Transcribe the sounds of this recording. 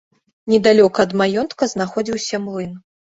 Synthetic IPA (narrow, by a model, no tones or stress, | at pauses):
nʲɛd̪alʲɔkɐːd̪majɔnt̪kɐznaxɔd͡zʲiwsʲɐmlˠɨn